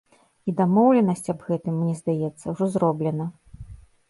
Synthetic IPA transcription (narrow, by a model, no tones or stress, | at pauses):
id̪amɔwlʲɛnɐsʲt͡sʲɐbɣɛt̪ɨmːnʲɛzd̪ajɛt̪sːɐwʐɔzɾɔblʲɛnɐ